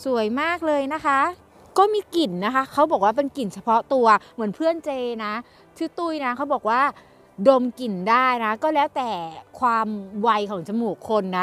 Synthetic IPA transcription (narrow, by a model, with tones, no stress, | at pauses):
su˨˩˦əjmaː˥˩k̚lɤː˧jna˦˥kʰa˦˥ | kɔː˥˩miː˧ki˨˩nːa˦˥kʰa˦˥kʰa˦˥wbɔː˨˩k̚waː˥˩p̬e˧nki˨˩nt͡ɕʰa˧pʰɔ˦˥t̪u˧ɐmɯ˩˦ənpʰɯ˥˩ənt͡ɕeː˧na˦˥ | t̪ʰɯː˧˥˩t̪u˥˩jna˦˥kʰa˦˥wbɔː˨˩k̚waː˥˩ | do˧mki˨˩ndaː˥˩jna˦˥kɔː˥˩lɛː˦˥wt̪ɛː˨˩kʰwaː˧mwa˧jkʰɔː˩˦ŋt͡ɕʰa˧muː˨˩kʰːo˧nːa˦˥